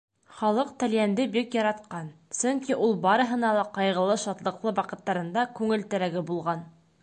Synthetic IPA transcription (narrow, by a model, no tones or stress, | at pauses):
χɑlˠɤq̚t̪æ̆ljænd̪ɘbikjɑɾɑt̪qɑnsɵŋkiʔulˠbɑɾɤ̆ɦɤ̆nɑlˠɑqɑjʁɤ̆lˠɤʃɑt̪lˠɤ̆qlˠɤwɑqɤ̆t̪ːɑɾɤ̆nd̪ɑkʉŋɘ̆lt̪æ̆ɾæɡɘbulˠʁɑn